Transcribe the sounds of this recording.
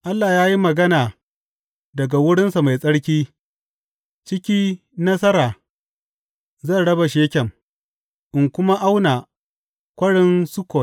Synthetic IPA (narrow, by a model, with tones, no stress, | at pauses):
ʔa˦lːaː˨jaː˦ji˦mɐ˨ɡɐ˦naː˨ | dɐ˨ɡa˨wʊ˦ɽɪ˦nsa˨ma˨jsʼɐ˦ɽkʲiː˦ | t͡ʃɪ˦kʲiː˦ | nɐ˦s̬ɐ˦ɾaː˨ | zɐ˦˨nɽɐ˦ba˨ʃeː˦kʲɛ˨m | ʔɪ˨ŋkʷʊ˦ma˦ʔa˦wnaː˨ | kʷɐ˦ɽɪ˦nsʊ˦kʷo˨